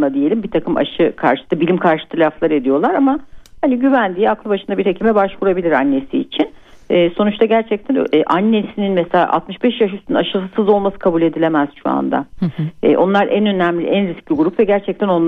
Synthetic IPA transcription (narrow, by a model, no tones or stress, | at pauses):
ad̪ije̞lʲimbit̪ʰakʰɯmʔa̰ʃɯkʰa̰ɾʃɯ̥t̪ɯbilʲimkʰaɾʃɯ̥t̪ʰɯlʲaflˠaɾe̞d̪ijo̞lˠaɾamahaniɟyvænd̪iaklˠɯbaʃɯnd̪abiɾhecʰimɛbaʃvuɾabilʲiɾanːe̞siːt͡ʃʰin | ɛːso̞nut͡ʃt̪ʰaɟæɾt͡ʃʰɛc̚t̪ʰænːʔanːesininmɛselʲa̰ːʔa̰t̪mɯʃbɛʃjaʃysɯninaʃɯlˠɯsɯzo̞lˠmasɯ̥kʰabulʲe̞d̪ilʲe̞mɛz̥ʃua̰nd̪a̰ɛ̰ʔo̞̰nlˠaɾʔɛnø̞næmlʲḭʔænɾisciɡuɾupvɛɟæɾt͡ʃʰɛc̚t̪ʰæno̞n